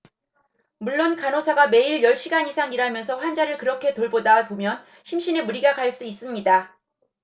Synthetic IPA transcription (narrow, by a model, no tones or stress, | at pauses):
muɭːonkanosʰaɡame̞iɭjʌɭɕ͈iɡaɲisʰaŋiɾamjʌnsʰʌɸwand͡ʑaɾɯɭkɯɾʌkʰe̞toɭbodapomjʌn | ɕʰimɕ͈ʰine̞muɾiɡakaɭs͈uis͈ɯmɲida